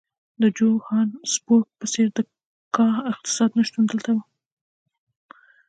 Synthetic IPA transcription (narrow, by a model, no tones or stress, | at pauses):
d̪əd͡ʒohɑnspok̚pəseɾd̪ə | kɑhɪq̚t̪ɪ̥sɑd̪nəʃt̪und̪əlt̪awu